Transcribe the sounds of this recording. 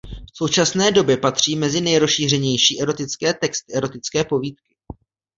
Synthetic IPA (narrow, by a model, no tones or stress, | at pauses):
so̞wt͡ʃasnɛːdo̞bjɛpat̪r̝̥iːmɛzɪnɛjɾosʃiːr̝ɛɲɛjʃiːʔɛɾo̞t̪ɪt͡skɛːt̪ɛkst̪ɪɛɾo̞t̪ɪt͡skɛːpo̞viːt̪kɪ̥